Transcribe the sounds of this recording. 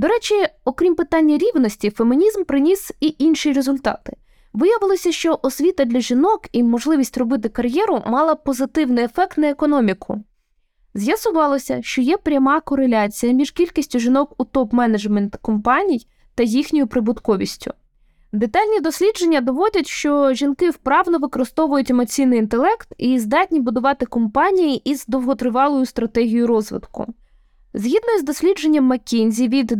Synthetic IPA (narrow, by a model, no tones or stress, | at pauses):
d̪ɔɾɛt͡ʃʲiɔkɾʲimpɪt̪ɑnʲːɐɾʲiwnɔsʲtʲifemɪnʲizmpɾɪnʲisiʔinʃiɾe̞zʊlʲt̪ɑ̰t̪ɪ̥ | ʋɪjɐʋɪlˠɔsʲɐʃt͡ʃɔʔɔsʲʋʲit̪ɐd̪lʲɐʒinɔkimɔʒlˠɪʋʲisʲtʲrɔbɪt̪̬ɪkɐrjɛɾʊmɑlˠɐpɔzɪt̪ɪwnɪjefɛk̚t̪nɐekɔnɔmʲikʰʊ̰ | zʲjɐsʊʋɑlˠɔsʲɐʃt͡ʃɔjɛpɾʲɐmɑkɔɾe̞lʲɑt͡sʲijɐmʲiʒkʲilʲkisʲtʲʊʒinɔkʊt̪ɔpmɛnɐd͡ʒment̪kɔmpɑnʲij | t̪ɐjixnʲɔjʊpɾɪbʊd̪kɔʋʲḭsʲtʲʊ̰ | d̪et̪ɑlʲnʲid̪ɔsʲlʲid͡ʒe̞nʲːɐd̪ɔʋɔdʲɐtʲʃt͡ʃɔʒʲinkɪwpɾɑʋnɔʋɪkɔɾɪst̪ɔʋʊjʊtʲemɔt͡sʲijnɪjint̪e̞lˠɛkt̪izd̪ɑtʲnʲibʊd̪ʊʋɑt̪ɪkɔmpɑnʲijiʔizd̪ɔwɦɔt̪ɾɪʋɑlˠɔjʊst̪ɾɐt̪ɛɦʲijʊɾɔzʋɪ̰d̪kʊ̰ | zɦʲid̪nɔizd̪ɔsʲlʲid͡ʒe̞nʲːɐmːɐkʲinʲzʲiʋʲid̪